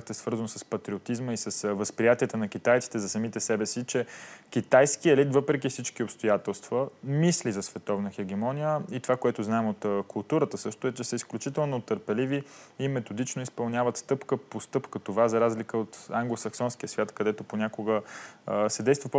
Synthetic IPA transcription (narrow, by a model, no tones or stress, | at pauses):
t̪ɛsvɤɾzənosɐspɐt̪ɾiot̪izməisɐsvəspɾijat̪iət̪ənɐk̟it̪ajt̪si̥t̪ɛzɐsɐmit̪ɛsɛbɛsit͡ʃɛkʲit̪ajskiɛlit̪vɤpɾɛk̬ifsit͡ʃkiopst̪ojat̪ɛlˠst̪vəmislizɐsvɛt̪ɔvnəxɛɡ̟ɛmɔnʲijəit̪ovakoɛt̪ʊznaɛmot̪kʊlˠt̪uɾət̪əsɤʃt̪ʊɛt͡ʃɛsəisklʲut͡ʃit̪ɛlˠnot̪əɾpɛliviːmɛt̪od̪it͡ʃnoispɐlˠnʲavət̪st̪ɤpkəpost̪ɤpkət̪ovazɐɾazlikəot̪aŋɡlˠosɐksɔnskijəsvʲjat̪kɐd̪ɛt̪oponʲakoɡə | sɛd̪ɛjst̪vəp